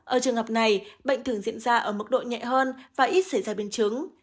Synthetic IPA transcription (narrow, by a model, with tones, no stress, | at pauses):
ʔəː˧˩t͡ɕɨ˨˩əŋɦə˨˩p̚na˨˩jɓə̰˧˨ŋ̟t̪ʰɨ˧˩əŋzḭ˧˨ənzaː˧ʔəː˧˩mɨ˨˩k̚ɗo̰˧˨jɲɛ̰˧˨ɦəː˧nvaː˨˩ʔi˦˥t̚sa˧˩jzaː˧ɓe˧nt͡ɕɨ˨˦ŋ